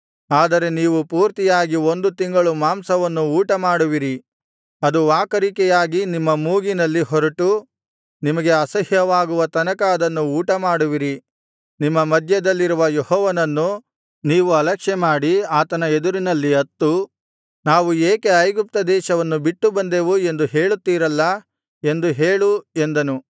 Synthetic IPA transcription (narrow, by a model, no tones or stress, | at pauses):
aːd̪ɐɾe̞niːʋupuːɾt̪ijaːɡio̞nd̪ut̪iŋɡɐɭumaːmsɐʋɐnːuuːʈɐmaːɽuʋiɾi | ɐd̪uʋaːkɐɾikɛjaːɡinimːɐmuːɡinɐlːiɦɔɾɐʈu | nimɐɡe̞ɐsɐɦjɐʋaːɡuʋɐt̪ɐnɐkɐɐd̪ɐnːuuːʈɐmaːɽuʋiɾi | nimːɐmɐd̪ʱjɐd̪ɐlːiɾuʋɐjehɔːʋɐnɐnːu | niːʋuɐlɐkʂɛmaːɽiaːt̪ɐnɐed̪uɾinɐlːiɐt̪ːu | naːʋueːkeɐjɡup̚t̪ɐd̪ɛːʃɐʋɐnːubiʈːubɐnd̪e̞ːʋue̞nd̪uɦe̞ːɭut̪ːiːɾɐlːɐ | e̞nd̪uɦeːɭue̞nd̪ɐnu